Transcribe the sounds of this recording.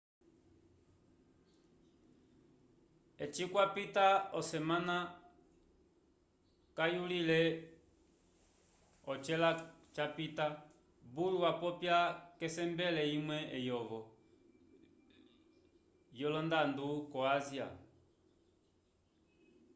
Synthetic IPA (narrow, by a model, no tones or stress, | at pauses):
ɛt͡ʃikwapitaɔsɛmana | kajulilɛ | ɔt͡ʃɛlat͡ʃapita | buluwapɔpjakɛsɛmbɛlɛimwɛʔɛjɔɣɔ | jɔlɔndandukɔazia̰